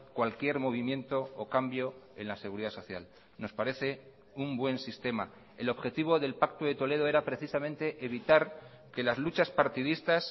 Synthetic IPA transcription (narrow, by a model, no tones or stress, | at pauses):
kwalkje̞ɾmo̞β̞imjẽ̞nt̪o̞ːkambjo̞e̞nlase̞ɣuɾiðaso̞θja̰l | no̞spaɾe̞θe̞ | umbwe̞nsist̪e̞ma | e̞lo̞βxe̞t̪iβo̞ðe̞lpak̚t̪oðe̞t̪o̞leð̞o̞e̞ɾapɾe̞θisamẽ̞nt̪e̞ʔeβ̞it̪aɾ | ke̞lazlut͡ʃaspaɾt̪iðist̪as